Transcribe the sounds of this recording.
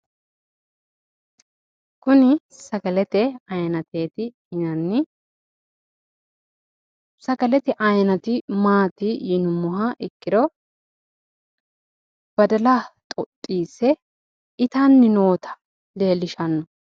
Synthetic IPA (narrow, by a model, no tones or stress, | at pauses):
kʊnɪsɐkɐlɛt̪ɛɐjɐnɐt̪e̞ːt̪ɪ | ɪnɐnːɪ | sɐkɐlɛt̪ɛʔɐjnɐt̪ɪmaːt̪ɪjɪnʊmːɔɦɐʔɪkːɪd̪ɔ | b̥ɐd̪ɐlaːt̪ʼɔt̪ʼːiːsɛ | ɪt̪anːɪno̞ːt̪ʰɐ̥ | le̞ːlɪʃɐnːɔ